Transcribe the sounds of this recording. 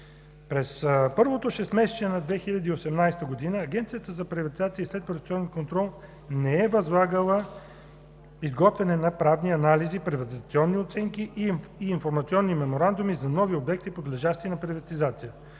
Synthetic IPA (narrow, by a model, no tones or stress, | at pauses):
pɾɛspɤɾvot̪oʃɛst̪mɛsɛ̥t͡ʃɛnɐd̪vɛxilʲɐd̪iːosɛmnajst̪əɡod̪inəːɡɛnt̪sijət̪əzɐpɾivɐt̪izat̪siislɛt̪pɾivt̪sʲiɔnɛnkont̪ɾɔlˠ | nɛɛvɐzlˠaɡəlˠə | izɡɔt̪vɛnɛnɐpɾavniɐnalizipɾivɐt̪izt̪siɔnːiot̪sɛŋkiʔːnfoɾmɐt̪siɔnːimɛmoɾand̪umizɐnɔviobɛk̚t̪ipod̪lɛʒaʃt̪iːnɐpɾivɐt̪izat̪sijə